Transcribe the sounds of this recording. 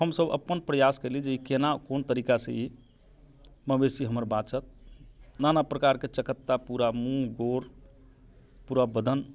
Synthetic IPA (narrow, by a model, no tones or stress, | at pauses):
həmsəbə̰pːənpɾəjaskəlid͡ʒeikenakont̪əɾikasə̃i | məbesiɦəməɾbat͡ʃət̪̚nanapɾəkaɾket͡ʃəkət̪ːapuɾamũɡoɾ | puɾabəd̪ʱən